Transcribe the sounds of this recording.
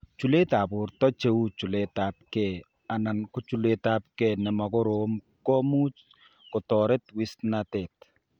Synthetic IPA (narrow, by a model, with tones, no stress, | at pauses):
t͡ʃu˨le˦ta˨bʊ˨ɾtɔ˦t͡ʃe˦u˦t͡ʃu˨le˦tap̚kɛ | a˨na˨nkʊ˦t͡ʃu˨le˦ta˦p̚kɛnɛ˨mɔ˨kʊ˦ɾom | kɔ˦mu˦t͡ʃ | kʊ˨tɔɾɛ˦twi˦snate˨t